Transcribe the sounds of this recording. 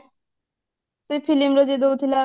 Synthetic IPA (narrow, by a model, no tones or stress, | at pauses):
sepʰilimɾod͡ʑed̪owt̪ʰila